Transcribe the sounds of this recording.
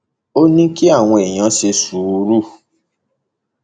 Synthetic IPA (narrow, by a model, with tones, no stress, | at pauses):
o˦nĩ˦ki˦a˦˨w̃ɔ̃˧e˨j̃ã˧˦ʃe˧su˨˧˦ɾu˦˨